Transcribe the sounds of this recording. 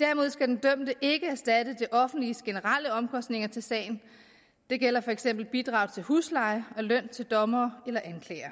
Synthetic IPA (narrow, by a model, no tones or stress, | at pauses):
d̥æɐmo̝ð̞ˠsɡ̥æd̥end̥øm̰d̥əʔe̝ɡ̥əæɐsd̥æd̥əd̥eʔɒ̽fn̩d̥lisɡ̥e̝nəʁɑləɒ̽mkʰɒ̽sd̥ne̝ŋɐt͡sʰe̝lsɛ̰ːɪn̩ | d̥e̝ɡ̥el̰ɐfɒ̽eɡ̥sem̰b̥l̩b̥id̥ʁɑ̈ʊt͡sʰe̝lhṵːslɑ̈ɪɒ̽løn̰t͡sʰe̝ld̥ɒ̽mɐːelɐʔænkʰlɛ̰ːɐ